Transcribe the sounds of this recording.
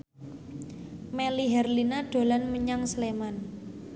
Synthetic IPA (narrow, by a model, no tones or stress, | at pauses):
meliɦɛrlinaɖ̥o̤lanməɲaŋsleman